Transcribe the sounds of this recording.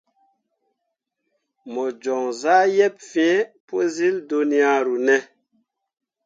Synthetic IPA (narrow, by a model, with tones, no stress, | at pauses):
mɔ˨d͡ʒɔ˨ŋza˦jɛ˦p̚fi˦e˦po˦zi˦ldu˦ni˦a˦ɾu˨nɛ˦